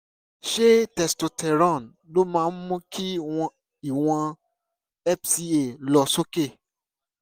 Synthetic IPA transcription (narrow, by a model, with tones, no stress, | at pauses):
ʃe˦tɛ˨sto˧tʰɛ˨ɾɔ̃˦˨n | lo˦mãː˧˦mɔ̃˦kʰi˦wɔ̃˧ | i˨w̃ɔ̃˧ | ɛ˦psi˧e˦˨lɔ˧˨so˦ke˦˨